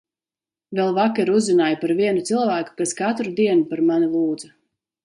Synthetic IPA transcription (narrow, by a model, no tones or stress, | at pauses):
vɛlˠvakɛɾuzːinaːjpaɾviɛnut̪silˠvæːku̥kaskat̪ɾud̪iɛnupaɾmanilˠuːd̪za